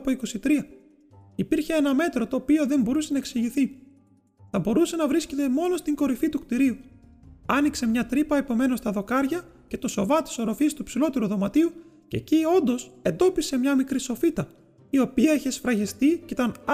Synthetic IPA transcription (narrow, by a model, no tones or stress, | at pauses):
po̞iko̞sit̪ɾiɐ | ipiɾçe̞enɐme̞t̪ɾo̞t̪o̞ːpio̞ðe̞mbo̞ɾuse̞nɐeksiʝiθi | θɐbo̞ɾuse̞nɐvɾisce̞t̪e̞mo̞no̞st̪iŋɡo̞ɾifit̪ukt̪iɾiu | ɐnikse̞mɲɐt̪ɾipɐepo̞me̞no̞st̪ɐðo̞kɐɾʝɐ | ce̞t̪o̞so̞vɐt̪i̥so̞ɾo̞fist̪upsilo̞t̪e̞ɾuðo̞mɐt̪iu | ce̞̰cio̞nd̪o̞se̞nd̪o̞pise̞mɲɐmikɾiso̞fit̪ɐ | io̞piɐiçesfɾɐʝist̪iceit̪ɐn